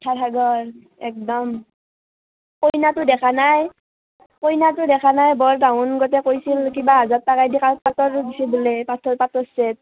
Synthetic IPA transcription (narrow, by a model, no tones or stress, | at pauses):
tʰatʰaɡɔɹ | ɛk̚dɔm | kojnatʊdɛkʰanaj | kojnatʊdɛkʰanajbɔɹdawʊnɡɔtɛkojsilkibaɦazatːakajdikapatɔɹɡisibulɛpatʰɔɹpatɔsɛt̚